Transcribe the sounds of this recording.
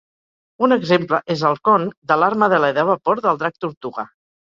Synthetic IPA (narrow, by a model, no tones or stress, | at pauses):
unəɡzempləʔezəlˠkɔnd̪əlaɾməðələðəβəpoɾðəlˠd̪ɾak̚t̪uɾt̪uɣə